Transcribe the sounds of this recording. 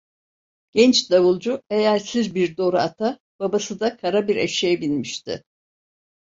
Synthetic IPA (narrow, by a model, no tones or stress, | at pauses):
ɟ̥ɛnt͡ʃd̪aβulˠd͡ʒuejæɾsiɾbiɾd̪o̞ɾat̪ʰa | b̥abasɯd̪akʰaɾabiɾḛʃejɛbinmiʃt̪ʰɪ̰